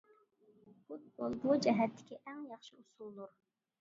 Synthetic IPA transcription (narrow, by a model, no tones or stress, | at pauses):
χut̪̚bolˠbud͡ʒɛɦæt̪ʰːɪ̥kʲʰiʔæŋjɑχʃɨusulˠːuɾ